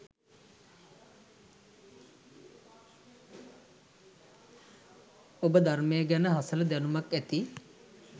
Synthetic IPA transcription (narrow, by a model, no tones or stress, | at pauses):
obəd̪armejəɡænəɦasələd̪ænumakæt̪i